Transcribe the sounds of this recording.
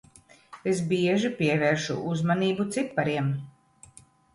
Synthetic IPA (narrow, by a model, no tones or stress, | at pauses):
esbiɛʒipʲiɛvɛːɾʃṵʔuzmaniːbut̪sipːaɾiɛm